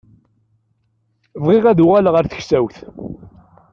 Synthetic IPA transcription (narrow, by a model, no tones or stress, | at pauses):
vʁɪʁæðuʁælʁəɾθə̥çsæwθ